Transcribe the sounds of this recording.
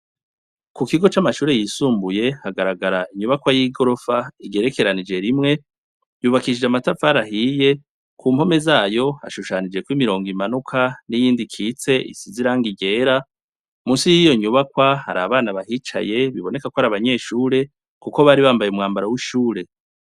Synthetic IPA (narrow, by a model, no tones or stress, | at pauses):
kukiɡo̞t͡ʃamaʃuːɾe̞jisuːmbuje̞haɡaɾaɡaɾaiɲuβakwajiɡo̞ɾo̞faiɡe̞ɾe̞ke̞ɾanid͡ʒe̞ɾimŋe̞ | juβakiʃid͡ʒamatafaɾahije̞ | kuːmho̞me̞zaːjo̞a̰ʃuʃaːnid͡ʒe̞kwimiɾo̞ːŋɡimanukʰanijiːndikʰiːt͡se̞ʔḭsiziɾaːŋɡiɡe̞ːɾa | muːnsijijo̞ɲuβakwaha̰ɾa̰βaːnaβaɦit͡ʃa̰je̞βiβo̞ne̞kakohaɾaβaɲe̞ːʃuːɾe̞ | kuko̞βaːɾiβaːmbajeumŋaːmbaɾawiʃuːɾe̞